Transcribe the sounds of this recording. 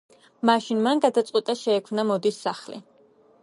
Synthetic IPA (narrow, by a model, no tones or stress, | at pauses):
maʃinmanɡad̪at̪sʼqʼwit̪ʼaʃɛːkʰmnamɔd̪isːaχlḭ